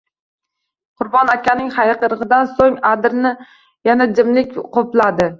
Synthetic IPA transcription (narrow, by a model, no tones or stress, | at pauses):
qʰʊɾbɒnakʲʰanɪŋhajqɨɾɨʁɨd̪ansoŋad̪ɪɾnɪ | janad͡ʒɪmlɪkʲqoplad̪ɪ